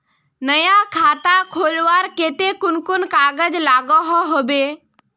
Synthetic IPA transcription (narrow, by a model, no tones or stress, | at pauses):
nəjakʰaːt̪akʰoːlʋaːɾkeːt̪ekʊnkʊnkaːɡəd͡ʒlaːɡɔɦɔɦobe